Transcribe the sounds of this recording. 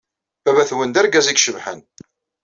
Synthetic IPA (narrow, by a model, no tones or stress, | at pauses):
bævæθwənd̪æɾɡæziɡʃəvħə̰n